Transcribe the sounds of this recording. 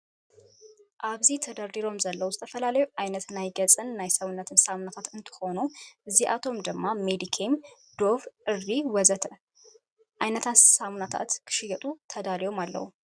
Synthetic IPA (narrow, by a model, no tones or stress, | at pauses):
ʔaβzit̪ʰəd̪aɾd̪iɾo̞mzəlːəwʊst̪ʰəfəlalajuʔajnət̪najɡət͡sʼɨnːajsəwnːət̪ʰɨnsamnat̪ʰat̪ɨnt̪ʰɨ̥ho̞nuʔɨzːiʔat̪ʰo̞md̪ɨmːamed̪ikʰem | d̪̥o̞fɨrːiwɔzət̪ʰ | ʔajnət̪ʰasamnat̪ʰa̰t̪kʰɨ̥ʃɪɡət̪ʼut̪ʰəd̪aɾiwomalːə̰hu